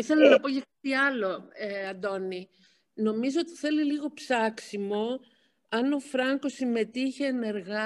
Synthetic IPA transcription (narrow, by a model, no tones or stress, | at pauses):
iθelɐnɐpo̞cekɐt̪iɐlo̞eɐnd̪o̞ni | no̞mizo̞ot̪i̥θe̞liliɣo̞psɐksimo̞ | ɐno̞fɾɐŋko̞sime̞t̪içeːne̞ɾɣɐ